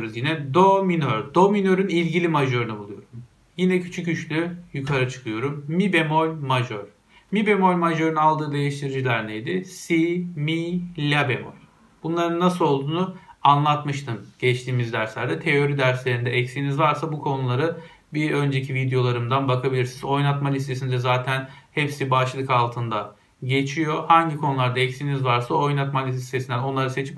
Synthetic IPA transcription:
ɾuzjinɛd̪o̞minøɾd̪o̞minø̞ɾynilʲɟilʲimaʒø̞ɾynɯbulˠujo̞ɾum | jinɛcʰy̥t͡ʃʰycyt͡ʃlʲyjukʰaɾat͡ʃʰɯ̥kʰɯjo̞ɾumːibemojmaʒøɾ̥ | mibemo̞jmaʒø̞ɾynalˠd̪ɯːd̪e̞jiʃt̪ʰiɾid͡ʒilʲæɾnejd̪ɪsimilʲːabemo̰j | b̥unlˠaɾɯnːasɯlo̞lˠd̪uːnuanlˠat̪mɯʃt̪ʰɯnɟ̥ɛt͡ʃt̪ʰiːmizd̪æɾslʲæɾd̪ɛt̪ʰe̞jo̞ɾid̪æɾslʲe̞ɾind̪ɛɛcsinizvaɾsabukʰo̞nulˠaɾɯ | biø̞nd͡ʒe̞cʰivid̪jo̞lˠaɾɯmd̪anbakʰabilʲiɾsinizo̞jnat̪malʲist̪ʰe̞sind̪ɛzaːt̪ʰænhɛpsibaʃad̪ɯkalˠt̪ʰɯnd̪a | ɟe̞t͡ʃʰijo̞haɲɟikʰo̞nulˠaɾd̪aɛcsinizvaɾsaojnat̪malʲiist̪ʰe̞sind̪æno̞nlˠaɾase̞t͡ʃʰip

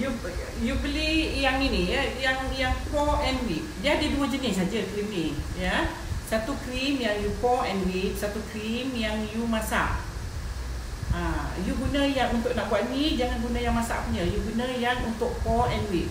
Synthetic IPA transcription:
ju | jubəlihjaŋinijəjaŋjaŋkɔʔɛnwik̚diadəduəd͡ʒənɪs̬ad͡ʒəkɾimnijə | sat̪ukɾimjaŋjukɔɛnwik̚sat̪ukɾimjaŋjumãsa̰ʔ | ãjuɡunə̃jaŋunt̪ʊʔnaʔɡuaʔnid͡ʒaŋanɡunãjaŋmasa̰ʔpuɲəjuɡunə̃jaŋunt̪ʊʔkɔɛnwik̚

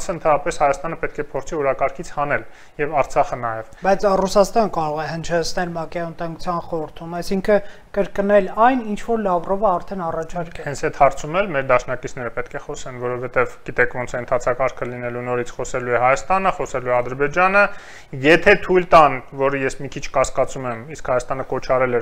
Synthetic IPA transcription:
sənt̪ʰɑnɾɑpɛshɑjɑst̪ɑnəpɛt̪̚kʰɛpʰɔɾt͡sʰiɔɾɑkɑɾkʰit͡sʰhɑnɛl | jɛvɑɾt͡sʰɑχənɑjɛvbɑjt͡sʰrusɑst̪ɑnəkɑɾɔʁɛhənt͡ʃʰɛt͡sʰnɛlmɑkɛɑənt̪ɑŋɡut͡sʰjɑnχɔɾəɾt̪ʰumɑjsiŋkʰə | kəɾkənɛlɑjnint͡ʃʰvɔɾlɑvrɔvəɑɾt̪ʰɛnɑrɑt͡ʃʰɑɾkkɛhɛnt͡sʰɛt̪hɑɾt͡sʰumɛlmɛɾd̪ɑʃnɑkit͡sʰnɛɾəpɛt̪kʰɛχɔsɛnvɔɾɔvhɛt̪ɛvɡ̥it̪ɛkʰvɔnt͡sʰɛənt̪ʰɑt͡sʰɑkɑɾkʰəlinɛlunɔɾit͡sʰχɔsɛluɛɦɑjɑst̪ɑnəχɔsɛluɛɑd̪əɾbɛd͡ʒɑnə | jɛt̪ʰɛt̪ʰujlt̪ɑnvɔɾəjɛsmikʰit͡ʃʰkɑskɑt͡sumɛmiskhɑjɑst̪ɑnəkɔt͡ʃʰɑɾɛlɛɾ

